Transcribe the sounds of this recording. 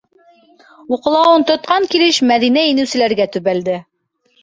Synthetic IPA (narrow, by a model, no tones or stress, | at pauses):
uqɤ̆lˠɑwɤnt̪ŏt̪̚qɑŋkilɘʃmæðinæinɘ̆wsɘ̆læɾɡæt̪ʉβæld̪ɘ